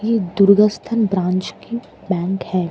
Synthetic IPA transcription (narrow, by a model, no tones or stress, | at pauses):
jed̪ʊɾɡəst̪ʰənbɾãːnt͡ʃki | bɛ̃ːŋkhɛː